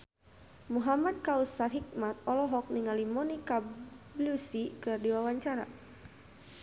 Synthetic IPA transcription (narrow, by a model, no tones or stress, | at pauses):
muɦamad̪̚kausarɦik̚mat̪̚ɔlɔɦɔk̚niŋalimɔnikablusikɨrdiwawaɲt͡ʃaɾa̰